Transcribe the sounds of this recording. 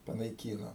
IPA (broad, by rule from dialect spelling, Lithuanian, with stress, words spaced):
pɐnɐɪˈkʲiːnoː